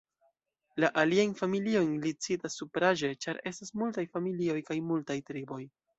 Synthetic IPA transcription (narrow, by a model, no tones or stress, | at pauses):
laʔaliajnfamilio̞jnlit͡sitasːupɾaʒe̞t͡ʃaɾe̞stasmultajfamilio̞jkajmultajtɾibo̞j